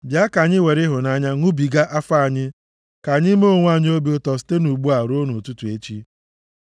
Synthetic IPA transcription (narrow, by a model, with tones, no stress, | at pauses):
bja˦ka˨ɲɪ˦we˨ɾɪ˦ɦʊ˨na˦ɲa˦ŋu˦bi˨ɡa˦ʔa˦fa˦a˨ɲɪ˦ | ka˨ɲɪ˦m˦o˦ŋʷ˦a˦ɲɪ˦o˦bi˦o˦tɔ˨sɪ̥˦te˦nu˨ɡ͡bu˦a˨ɾo˦no˨tu˦tu˨e˦t͡ʃi˦